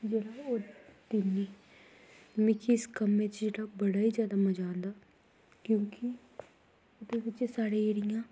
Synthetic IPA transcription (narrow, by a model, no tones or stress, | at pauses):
d͡ʒeːɽaːoːt̪ɪniː | mɪkʰiɪskəmːẽːt͡ʃd͡ʒeːɽaːbəɽaːiːzjaːd̪aːməd͡ʒaːnd̪aː | kjõːkɪ | ʊd̪eːʋɪt͡ʃsaːɽeːeːɽɪjãː